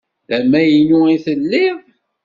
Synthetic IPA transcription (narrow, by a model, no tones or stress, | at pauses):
æmæjinuiθəlːɪð